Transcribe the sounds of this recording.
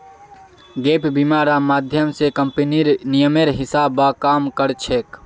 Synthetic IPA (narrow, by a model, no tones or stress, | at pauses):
ɡeːpbimaːɾamaːd̪ʱjəmsekəmpeniɾnijəmeɾɦɪsaːbakaːmkəɾt͡ʃʰek